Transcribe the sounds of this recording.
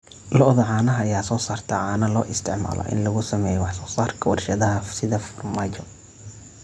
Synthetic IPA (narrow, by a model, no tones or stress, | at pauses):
lɔʔðɐʕɑːnɐɦjaːsɔːsaːrt̪ʰɐʕɑːnɐlɔːʔɪst̪ʰɪʕma̰ːlɔ̰ʔɪ̰nlɐɣʊsɐmɛːjɛwɑħsɔːsaːrkʰɐwɑrʃɐðɐɦɐsɪðɐfɔrmaːt͡ʃɔ